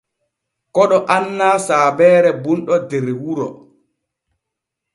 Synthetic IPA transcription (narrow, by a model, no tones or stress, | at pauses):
kɔɗɔʔanːaːsaːbɛːɾɛbunɗɔdɛɾwuɾɔ̰